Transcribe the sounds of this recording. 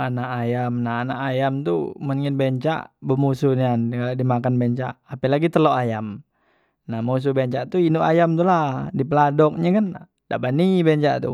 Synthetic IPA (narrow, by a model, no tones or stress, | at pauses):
anaʔajamnaanaʔajamt̪umənŋɪnbɛɲt͡ʃa̰ʔbəmusunankaladimakanbɛɲt͡ʃa̰ʔːpɛlaɡit̪əloʔajam | nahmos̬ubɛɲt͡ʃaʔt̪uinuʔa̰jamt̪uladipəladɔk̚ɲakan | da̰ʔbanibɛɲt͡ʃa̰ʔt̪ṵ